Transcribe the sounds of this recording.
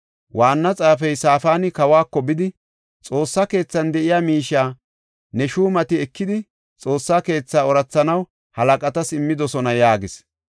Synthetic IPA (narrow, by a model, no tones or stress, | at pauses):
waːnːɐt͡sʼaːfɛjsaːfaːnɪkɐwaːkːɔbɪd̪ɪ | t͡sʼo̞ːsːaːke̞ːt͡sːɐnd̪ɛʔɪjaːmiːʃːaː | nɛʃuːmɐt̪ɪɛkːɪd̪ɪ | t͡sʼo̞ːsːaːke̞ːt͡sːaːɔɾɐt͡sːɐnɐw | hɐlɐkʼɐt̪ɐsɪmːɪd̪ɔsɔnɐjaːɡɪs